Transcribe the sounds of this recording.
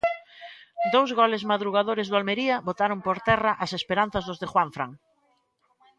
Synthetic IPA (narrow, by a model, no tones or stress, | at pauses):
d̪owzɣɔlezmaðɾuɣaðoɾezðʊalmeɾiɐβot̪aɾompoɾt̪ɛraʔasespeɾan̟θɐzðozðexwaɱfɾaŋ